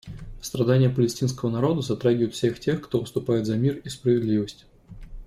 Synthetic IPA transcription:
st̪ɾɐd̪anʲɪjəpəlʲɪsʲtʲins̬kəvənɐɾo̞d̪əzɐt̪ɾaɡʲɪvəɪt̪fsʲe̞xtʲe̞xkt̪ovst̪ʊpajɪt̪zɐmʲirispɾəvʲɪd̪lʲivəsʲtʲ

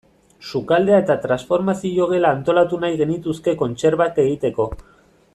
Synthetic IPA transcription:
sukald̪eae̞t̪at̪ɾansfo̞ɾmasiʝoɣe̞laːnt̪o̞lat̪unajɣe̞nit̪uske̞ko̞nt͡se̞ɾβake̞ɣ̞it̪e̞ko̞

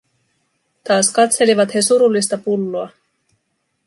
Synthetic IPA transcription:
t̪ɑːskɑt̪se̞liʋɑt̪he̞suɾulːist̪ɑpulːoɑ

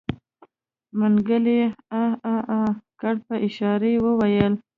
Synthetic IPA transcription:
maŋɡəleaakaɽpəʔɪʃɑɾewəwajəl

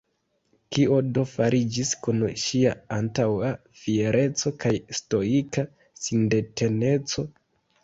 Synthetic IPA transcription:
kio̞do̞faɾʔid͡ʒiskunʃiaantawa | fieɾʔe̞t͡so̞kajsto̞ika | sinde̞tʰe̞ne̞t͡so̞

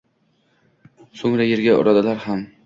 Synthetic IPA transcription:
soŋɾajeɾɡʲaʊ̰ɾɒd̪alaɾham

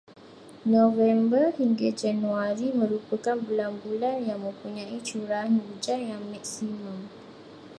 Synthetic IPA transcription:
nõvɛmbərhiŋɡad͡ʒanũaɾimə̃ɾupəkanbulanbulanjaŋmə̃mpuɲãit͡ʃuɾanud͡ʒanjaŋmaksimãm

